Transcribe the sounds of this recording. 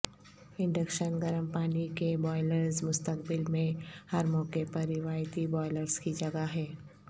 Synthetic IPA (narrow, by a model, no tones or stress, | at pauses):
ɪ̃ɳɖəkʃənɡɐɾəmpaːnikebɔːɪləɾzmʊst̪əkbɪlmẽhɐɾmɔːkepɐɾːɪwaːɪt̪ibɔːɪləɾskid͡ʒɐɡaɦɛː